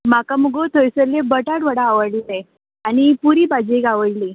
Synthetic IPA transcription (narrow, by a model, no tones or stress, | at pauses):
makamuɡot̪ʰojsəlebəʈaʈʋəɽaːʋəɾlile | añipuɾibad͡ʑeɡaʋəɽli